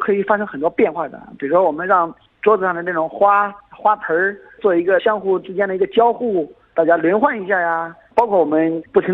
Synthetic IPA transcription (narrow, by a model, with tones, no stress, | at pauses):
kʰɤ˧˥i˨˩fa˥ʂɤ˥ŋxə˨˩nt̪ɔ˥pjɛ˥˧nxwa˥˩d̪ə̰˩pi˨˩ɻu˧˥ʂwɔ˥wɔ˨˩mə˦nɻɑ˥˩ŋ | ʈ͡ʂwɔ˥t͡sɹ̩˨˩ʂɑ˥˩ŋd̪ə˩na˥˩ʈ͡ʂʊ˨˩ŋxwa˥xwa˥pʰə˧˥ | t͡swɔ˥˩i˧˥ɡə˧ɕjɑ˥ŋxu˥˩ʈ͡ʂɻ̩˥t͡ɕjɛ˥nd̪ə˨i˧˥ɡə˧t͡ɕjɑ˥ʊxu˥˩ | t̪a˥˩t͡ɕja˥ljɛ˧˥nxwa˥˩ni˧˥ɕja˥˩ja˨˩pɑ˥ʊkʰwɔ˥˩wɔ˨˩mə˦npu˥˩t̪ʰi˧˥